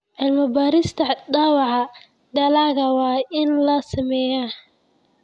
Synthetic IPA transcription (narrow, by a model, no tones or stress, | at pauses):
ʕɪlmɐbaːɾɪst̪ʰɐd̪ɑːwɑʕɑ | d̪ɐlaːɣɐwɑːɪnlɐsɐmɛːjɐ